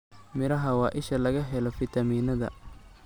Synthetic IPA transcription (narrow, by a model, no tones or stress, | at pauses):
mɪɾɐɦɐwɑːʔɪʃɐlɐɣɐɦɛlɔfɪt̪ʰɐmiːnɐðɐ̰